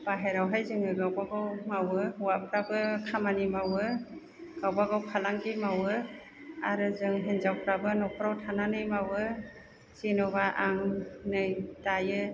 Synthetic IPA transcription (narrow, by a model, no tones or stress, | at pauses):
b̥aɦeɾawɦajzɯŋɯɡawbaɡawmawɯhuwapʰɾabɯkʰamanimawɯ | ɡ̥awbaɡawpʰalaŋkimawɯ | aɾɯzɯŋɦenzawpʰɾabɯnɔpʰɾawtʰananɯjmawɯ | zinɔbaʔaŋnɯjtajɯ